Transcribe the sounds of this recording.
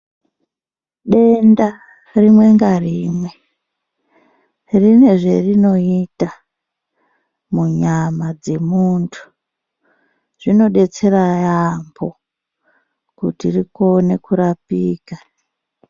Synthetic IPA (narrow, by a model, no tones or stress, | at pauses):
ɗe̞nda | rimwe̞ŋɡariːmwe̞ | rine̞ʐe̞rino̞ita | muɲamad͡ze̞muntʰu̥ | ʐ̥ino̞ɗe̞t͡se̞ɾajambʰo̞ | kutiriko̞ne̞kuɾapiːka